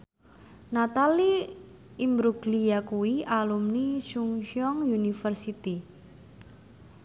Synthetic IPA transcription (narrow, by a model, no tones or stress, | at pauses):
nat̪ali | imbɾuɡlijakuwialumniʃuŋʃɔŋjunifərsit̪i